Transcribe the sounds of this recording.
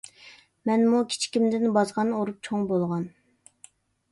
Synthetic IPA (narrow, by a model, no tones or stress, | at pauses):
mɛnmukʲʰi̥t͡ʃʰi̥kʲimd̪ɪnbɑzʁɑnoɾup̚t͡ʃʰoŋbolˠʁɑn